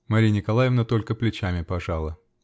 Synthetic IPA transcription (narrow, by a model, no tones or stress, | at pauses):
mɐɾʲijnʲɪkɐlˠajɪvnət̪o̞lʲkəplʲɪt͡ɕamʲɪpɐʐalˠə